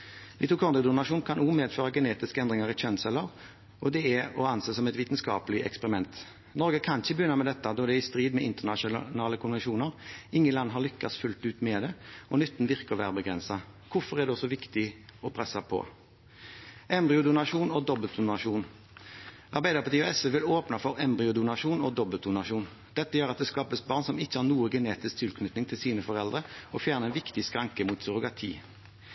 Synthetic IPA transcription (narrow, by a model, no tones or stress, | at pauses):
ʋ̪ɪt̪uːkʰɔʁnəd̪ʊnɑʂuːnkʰɑnʔuːmeːd̪føːʁɑɡɛneːt̪ɪskəɛnd̪ʁɪŋəʁɪt͡ʃʰɛnsɛləʁ | ʔɔd̪ɛæɔɑnseːsɔmɛt̪ʋiːt̪nskɑ̰ːpəlɪʔɛ̰kspɛʁɪmɛnt̪ | nɔɾɡəkʰɑnɪçəbəjʏnəmɛd̪ɛt̪ːɑd̪ɔːd̪ɛɪst̪ʁiːd̪mɛʔɪnt̪əʁnɑʃʊnɑːləkʰʊnʋɛnʃuːnəʁɪŋːəlɑnːɦɑʁlʏkːɑsfʉlt̪ʉːt̪mɛd̪ɛɔnʏt̪ːn̩ʋɪʁkəʁʋæːʁəbəɡʁɛnsɑkʰʊfɔʁɛʁd̪ɛɔsɔʋɪkt̪ɪɔpʰʁɛsːɑpʰɔ̰ | ɛmbʁɪʊd̪ʊnɑʂuːnɔd̪ɔbəlt̪̚d̪ʊnɑʃuːn | ɑʁbæɪd̪əʁpɑt̪iːɔɛsəʋɪloːpnɑfɔʁɛmbʁɪʊd̪ʊnɑʃuːnɔd̪ɔbəlt̪̚d̪ʊnɑʃuːn | d̪̥ɛt̪ːəjøːʁɑt̪̚d̪ɛskɑːpəsbɑːʁnsɔmɪçːəhɑːʁnuːəɡəneːt̪ɪsk̚t̪ʰɪlkʰnʏt̪nɪŋt̪ʰɪlsiːnəfɔʁɛld̪ʁəɔfjæːʁnəɛnʋɪkt̪ɪskʁɑŋkəmuːt̪sʊʁʊɡɑt̪ʰḭː